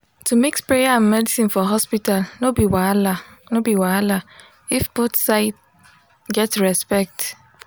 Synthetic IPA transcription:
tumekspɾejaãnmɛdisĩnfɔɦɔspitalnobiwalanobiwaala | ifbotsaɪt̚ | ɡɛtɹɛspɛk̚t

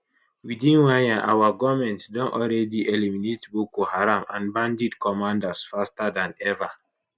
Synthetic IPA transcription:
widĩnwajãʔa̰waɡɔmɛ̃ntdɔ̃nʔɔlɾɛdiʔeliminetbokohaɾamã̰nbãndidkɔmãndasfastadãnɛva

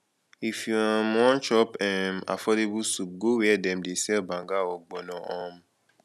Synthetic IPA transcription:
ifiãmɔ̃nt͡ʃɔpɛ̃ma̰fɔdebusup̚ɡoweɛdɛ̃m̩desɛlbãŋɡaɔɡ͡bɔnãɔ̃m

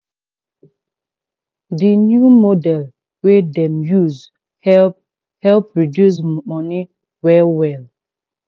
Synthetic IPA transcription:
dinjumodɛl | wedɛ̃mjuz | hɛ | hɛlpɹidjus̬mmɔni | wɛwɛl

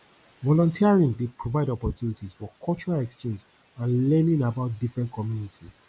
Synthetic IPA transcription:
vɔlɔ̃ntʰiaɹĩŋdepʰɹovaɪdɔpɔtʰjunitiz̥fɔkʰɔlt͡ʃɔɹalɛkst͡ʃẽnd͡ʒ | ãnlɛnĩnabaʊt̚difɹɛ̃ntkʰɔmjunitʰiz̥

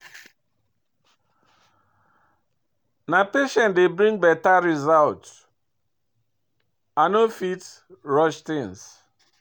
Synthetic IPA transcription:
napeʃɛ̃ntdebɾĩŋɡbɛtaɾizalt | anofit | ɹɔʃtĩŋs

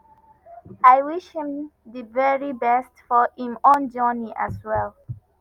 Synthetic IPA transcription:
aɪwiʃhĩmðivɛɹibɛstfɔhĩmɔ̃nd͡ʒɔniʔa̰swɛlˠ

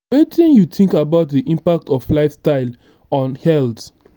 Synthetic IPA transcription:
wetĩnjutĩŋkabaʊtdiʔĩmpak̚tɔflaɪfstaɪl | ɔ̃nhɛlt

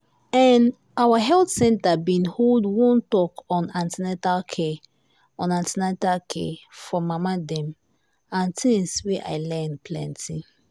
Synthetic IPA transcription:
ɛ̃n | awaɦɛltsɛ̃ntabĩnholdwɔ̃ntɔkɔ̃nãntinɛtalkʰe | ɔ̃nãntinatalkʰḛfɔmamadɛ̃m | ãntʰĩnsweʔa̰ɪlɛnpʰlɛ̰̃ntʰi

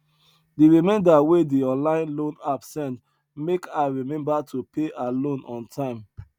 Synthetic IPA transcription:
diɹimɛ̃ndawediɔ̃nlãɪ̃nlõnabsɛ̃nt | mekaɹimɛ̃mbatʰupeʔalõnɔ̰̃ntʰãɪ̃m

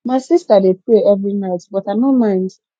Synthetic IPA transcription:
maɪsistadepɾeɛvɹinaɪtbɔtaɪnomãɪ̃nd

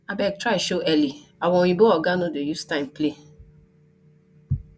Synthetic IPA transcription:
abɛɡ̚tɾaɪʃoʔɛliawɔ̃wĩbɔɔɡanodejustãɪ̃mple

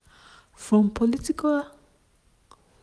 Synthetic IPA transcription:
fɹɔ̃mpʰɔlitikal

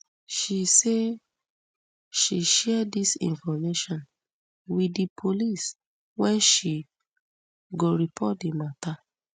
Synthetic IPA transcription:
ʃise | ʃiʃɛdisḭ̃nfɔmeʃɔ̃n | wiipʰolis | wɛ̃nʃi | ɡoɹipʰɔt̚dimata

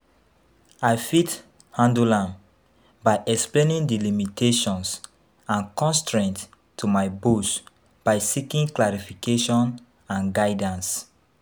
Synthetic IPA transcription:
ajfit | hãndulãn | baɪʔɛksplẽnĩŋdilimitʰeʃɔ̃ns | ãnkɔ̃nstɹɛ̃nt | tʰumajbus | b̥aɪsikĩŋklaɹifikeʃɔ̃n | ãnɡaɪdãns

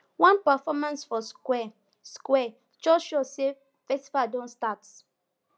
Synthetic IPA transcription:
wãnpafɔmãnsfɔskwɛ | skwɛ | d͡ʒɔʃose | fɛstivaldɔ̃nstat

